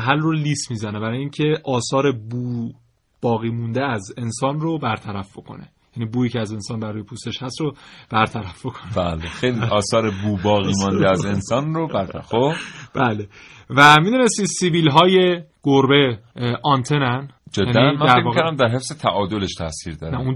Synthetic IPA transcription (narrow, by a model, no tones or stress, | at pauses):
ɦælroliːst̪miːzænebæɾɒːjeiːŋcʰe̞ʔɒːsɒːɾe̞buː | b̥ɒːɣiːmund̪eæze̞nsɒːnrobæɾt̪ʰæɾæfb̥o̞kʰo̞̰ne̞̰ | jæːniːbuːiːcʰeæze̞nsɒːnbæɾuːje̞pʰust̪e̞ʃhæst̪ɾob̥æɾt̪ʰæɾæfb̥okʰo̥nebæːlexejliʔɒːsɒːɾebuːbɒːɣiːmɒnd̪eæze̞nsɒːnrobæɾt̪æxobb̥æːlevæmid̪une̞st̪isiviːlɦɒːjeɡ̥oɾbe̞ʔɒnt̪ʰenænd͡ʒedjænːæmænæɾekmvɒːikʰoɾæmd̪æɾɦe̞fzet̪ʰæʔɒːd̪oleʃt̪ʰæsiːɾd̪ɒːɾnæun